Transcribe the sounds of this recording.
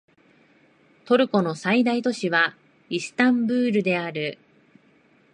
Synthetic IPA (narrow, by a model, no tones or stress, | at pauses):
t̪o̞ɾɯ̟ko̞no̞said̪ait̪o̞ɕiβa | isɨ̥t̪ãmbɯ̟ːɾɯ̟d̪e̞aɾɯ̟